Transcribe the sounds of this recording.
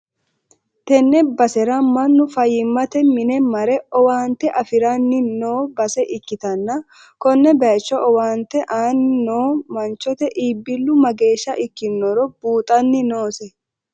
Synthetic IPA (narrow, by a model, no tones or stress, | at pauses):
t̪ɛnːɛbɐsɛɾɐmɐnːʊfɐjɪmːɐt̪ɛmɪnɛmɐɾɛɔwaːnt̪ɛʔɐfɪɾɐnːɪnoːbɐsɛʔɪkːɪt̪ɐnːɐ | kɔnːɛbɐːt͡ʃːɔʔɔwaːnt̪ɛʔaːnnoːmɐnt͡ʃːɔt̪ɛʔiːbːɪlːʊmɐɡe̞ːʃːɐʔɪkːɪnːɔɾɔbuːt̪ʼɐnːɪno̞ːsɛ